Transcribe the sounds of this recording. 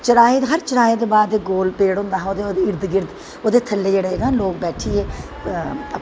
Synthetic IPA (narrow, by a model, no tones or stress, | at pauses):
t͡ʃəɾaːeːɦəɾt͡ʃəɾaːeːd̪eːbaːd̪eːɡoːlpeːɽɦʊ̃nd̪aːɦoːd̪eːɡɪɾd̪ɡɪɾd̪ | oːd̪eːt̪ʰəlːeːd͡ʒeːɽeːnãːloːk̚bɛːʈʰiːɦɛː